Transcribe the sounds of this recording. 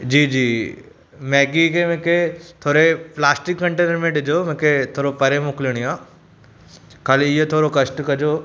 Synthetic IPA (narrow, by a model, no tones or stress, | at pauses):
d͡ʑiːd͡ʑiː | mɛːɡikʰemẽkʰet̪ʰoːɾeplaːsʈɪkːɐ̃ɳʈeːnəɾmẽɗɪd͡ʑomẽkʰet̪ʰoːɾopɐɾemʊklɪɽ̃iãː | kaːliɪɦot̪ʰoːɾokɐsʈkɐd͡ʑoː